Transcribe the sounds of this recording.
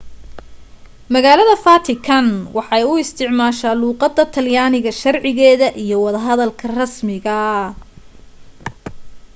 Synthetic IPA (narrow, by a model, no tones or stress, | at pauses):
mɐɣaːlɐðɐfat̪ʰɪkʰɐnwɑħɑjʊɪst̪ʰɪʕmaːʃaːluːqɑd̪ːɐt̪ʰɐljaːnɪɣɐʃɐrʕɪɣɛːðɐʔijɞwɑðɐɦɐðɐlkʰɐrɐsmɪɣɐ